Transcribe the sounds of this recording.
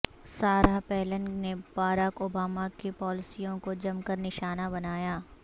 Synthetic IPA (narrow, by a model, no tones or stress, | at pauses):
saːɾapɛːlənnebaːɾakoːbaːmakepɔːlɪsijõkod͡ʒɐmkəɾnɪʃaːnabɐnaːjaː